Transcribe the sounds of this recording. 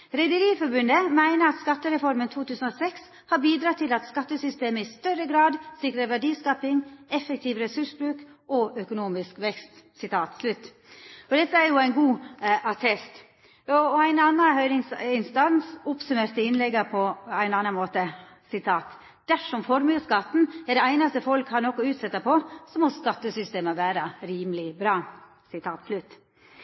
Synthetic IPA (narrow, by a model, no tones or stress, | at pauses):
ɾɛɪd̪əɾiːfɔɾbʉnd̪əmæɪnəɾɑt̪skɑt̪ːəɾɛfɔɾmənt̪ʰuːt̪ʰʉːsn̩ɔsɛks | hɑbiːd̪ɾɑːt̪ʰɪlɑt̪skɑt̪ːəsʏst̪eːməɪst̪œɾəɡɾɑːd̪sɪkɾəʋæɖiːskɑːpɪŋɛfəkt̪ʰiːʋɾɛsʉʂbɾʉːkʔɔʔœkʊnuːmɪskʋɛkst̪ | sɪt̪ʰɑːt̪slʉt̪ː | ɔd̪ɛt̪ːəæɾjʊæɪnɡuːɑt̪ʰɛst̪ | ɔæɪnɑnːɑnɦœʏnɪŋsɪnst̪ɑnsʊpsʉmeːɾt̪əɪnlɛɡːɑpʰɔæɪnɑːnːɑnmoːt̪ə | sɪt̪ʰɑːt̪ | d̪̥æʂɔmfɔɾmjəskɑt̪ːn̩æɖɛæɪnɑst̪əfɔlkhɑɾnɔkːɔʉːt̪sɛt̪ːɑpʰɔsɔmɔskɑt̪ːəsʏst̪eːməʋæːɾɑɾiːmlɪbɾɑː | sɪt̪ʰɑːt̪slʉt̪ː